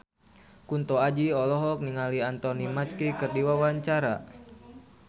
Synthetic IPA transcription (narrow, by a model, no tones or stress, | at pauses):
kunt̪ɔad͡ʒiɔlɔɦɔk̚niŋaliant̪ɔnimat͡ʃkikərdiwawaɲt͡ʃaɾa